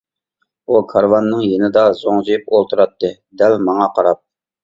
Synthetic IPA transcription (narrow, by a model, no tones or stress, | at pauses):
ukʰɑɾvɑnːɨŋjenɪd̪ɑzoŋzijyp̚olˠt̪ʰuɾɑt̪ːɨ | d̪ɛlmɑŋɑqʰɑɾɑp̚